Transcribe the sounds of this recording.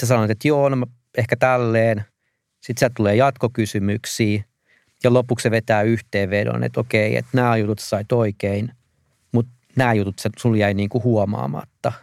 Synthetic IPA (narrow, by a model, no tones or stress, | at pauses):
sesɑnoɑt̪et̪joːnomɑ | ehkæt̪ælːeːn | sit̪siæt̪uleːjɑt̪kokysymyksiː | jɑlopukseʋet̪æːyht̪eːʋʋedo̰nḛt̪okeiḛt̪næːjut̪ut̪se̥sɑit̪oikein | mut̪ | næːjut̪ut̪sesuljæiniːŋkuhuɔmɑ̰ːmɑ̰t̪ːɑ